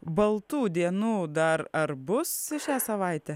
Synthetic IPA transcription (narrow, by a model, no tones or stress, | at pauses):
bɐlˠt̪uːd̪ʲiɛnuːd̪ɐɾɐɾbʊsɪʃʲæːsɐʋɐɪt̪ʲɛ